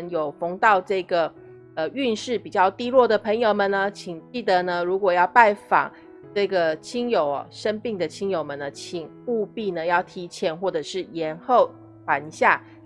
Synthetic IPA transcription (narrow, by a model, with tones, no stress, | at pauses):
njo˨˩ʊfo˧˥ŋt̪ɑ˥˧ʊʈ͡ʂɤ˥˩ɡə˩ | ə˧y˥˧nʂɻ̩˥˩pi˨˩t͡ɕjɑ˥˩ʊt̪i˥lwɔ˥˩d̪ə˩pʰə˧˥ŋjo˨˩ʊmə˨nə˩t͡ɕʰi˨˩ŋt͡ɕi˥˩d̪ə˩nə˦ɻu˧˥kwɔ˨˩jɑ˥˧ʊpa˥˩ɪfɑ̰˨˩˦ŋ | ʈ͡ʂɤ˥˩ɡə˩t͡ɕʰi˥ŋjo˨˩ʊɔ̰˨ʂə˥npi˥˩ŋd̪ə˩˨t͡ɕʰi˥ŋjo˨˩ʊmə˨˩nə˦t͡ɕʰi˨˩ŋ | u˥˧pi˥˧nə˨jɑ˥˩ʊt̪ʰi˧˥t͡ɕʰjɛ˧˥˦nxwɔ˥˩ʈ͡ʂɤ˨˩ʂɻ̩˥˩jɛ˧˥˦nxo˥˩ʊ | fwa˨˥nɕja˥˩